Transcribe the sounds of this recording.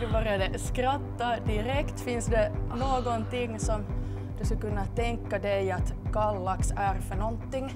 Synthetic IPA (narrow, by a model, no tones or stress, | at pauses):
d̪ɵbɑɾjɑd̪əskɾat̪ːad̪ɪɾɛkt̪fɪnsd̪ɛnoːɡɔnt̪ɪŋːsɔm | d̪ɵskakɵnːat̪ɛŋkːad̪ɛjɑt̪kɑlːɑksæɾfœɳɔnt̪ːɪŋː